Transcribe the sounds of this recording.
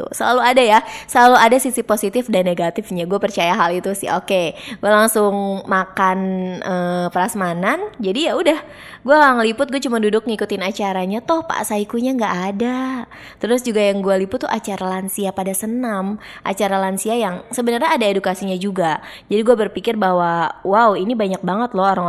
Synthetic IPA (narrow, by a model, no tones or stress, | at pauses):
t̪ṵsəla̰luadajasəlaluadasisiposit̪ɪfdanːeɡat̪ɪfɲaɡuapərt͡ʃajaɦalit̪usɪ̰hokeɡualaŋsʊŋmakanəːpəɾasmanand͡ʒadijaudah | ɡuaŋlipʊt̪̚ɡuat͡ʃumandudʊk̚ŋikut̪ɪnat͡ʃaɾaɲat̪ʊhpa̰ʔsaikuɲaŋɡaʔːda | t̪əɾʊs̬d͡ʒuɡajaŋɡualipʊt̪ːuʔat͡ʃaɾalansiapadasənamʔa̰t͡ʃaɾalansiajaŋsəbənərɲaːdaedukasiɲad͡ʒuɡa | d͡ʒadiɡuabərpikɪrbaɦwawawinibaɲak̚baŋət̪lɔɦoɾaŋ